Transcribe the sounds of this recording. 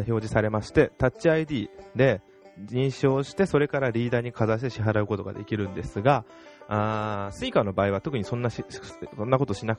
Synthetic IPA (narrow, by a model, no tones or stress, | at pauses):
ço̞ːʑisaɾe̞maɕi̥t̪e̞t̪at͡ɕt͡ɕːiaid̪ʲiːd̪e̞ | ɲĩɰ̃ɕo̞ːɕi̥t̪e̞so̞ɾe̞kaɾaɾʲiːd̪aːɲ̟ikʰazaɕ̬i̥t̪e̞ɕiɦaɾaɯ̟ko̞t̪o̞ɡa̰d̪e̞̰kʲiɾɯ̟̃nd̪e̞sɨɡa | asɨikano̞baːiβ̞at̪o̞kɯ̟ɲ̟isõ̞nːaɕisõ̞nːako̞t̪o̞ɕina